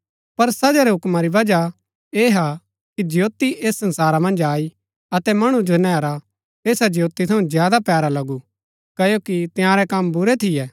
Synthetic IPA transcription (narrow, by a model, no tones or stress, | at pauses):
pɐɾsɐd͡ʒaɾɛɦʊkmaɾiʋɐd͡ʒa | eːɦa | kid͡ʒɪjoːt̪iʔeːsːɐ̃nsaːɾamɐ̃nd͡ʒaːi | ɐt̪ɛmɐɽ̃ud͡ʒonɛːɾa | eːsad͡ʒɪjoːt̪it̪ʰɐũzjaːd̪apjaːɾalɐɡu | kɐjokit̪ɪjãːɾɛkɐmbʊɾɛt̪ʰɪjɛː